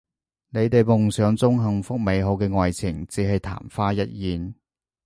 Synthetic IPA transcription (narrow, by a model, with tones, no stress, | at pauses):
ne˨˧jt̪e˨jmʊ˨ŋsœː˨˥ŋt͡sʊ˥ŋɦɐ˨˧ŋfʊ˥k̚me˨˧jɦo˨˧wkɛː˧ŋɔː˨jt͡sʰɪ˨˩ŋt͡siː˨˥ɦɐ˨jt̪ʰa̰ː˨˩mfaː˥jɐ˥t̚jiː˨n